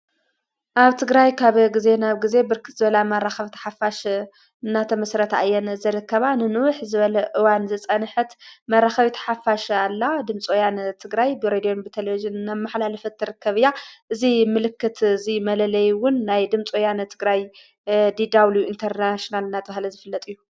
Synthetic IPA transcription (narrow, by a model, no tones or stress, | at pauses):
ʔaβt̪ʰɨɡɾajkʰaβɡize̞naβɡize̞bɨɾkʰɨ̥t̪zɨβɐlamɐraxɐβt̪ʰɐ̥ħafaʃ | ɨnːat̪ʰɐmɐsɾɐt̪ʰaʔjːɛnzɐɾɨkʰːɐβanɨnɨwʊħzɨβɐlɐʔɨwanzɨt͡sʼɐnħɨt̪mɐraxɐβit̪ʰɐ̥ħafaʃalːad̪ɨmt͡sʼojant̪ʰɨɡɾajbɨɾed̪io̞nbɨt̪ʰelevid͡ʒɨnːamaħlalɐfɐt̪ʰːɨɾɨkːɐβɨjːaʔɨzimɨlɨkːɨt̪ʰzimɐlɐlɐjwʊnːajd̪ɨmt͡sʼojant̪ʰɨɡɾaj | d̪id̪awlujuint̪ʰɐɾnaʃonalɨnːat̪ʰɐβahlɐzɨfɨlːɐt̪ʼɨjːu